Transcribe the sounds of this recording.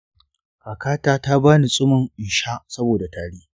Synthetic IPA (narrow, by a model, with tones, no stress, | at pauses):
ka˨kaː˦taː˦ta˦baː˦ni˨sʼʊ˦mʊ˨ŋʔɪ˨ʃa˦sɐ˦boː˨da˨taː˨ɽiː˦